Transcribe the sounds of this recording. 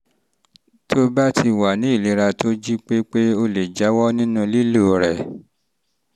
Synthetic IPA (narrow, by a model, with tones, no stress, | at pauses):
tʰo˦ba˦tʰi˧wa˨nĩ˨˦i˦˨li˨˦ɾa˧tʰo˦d͡ʒi˦k͡pe˦k͡pe˦o˧le˨d͡ʒa˨˦wɔ˦nĩ˦nũ˧li˦lo˦˨ɾɛ˨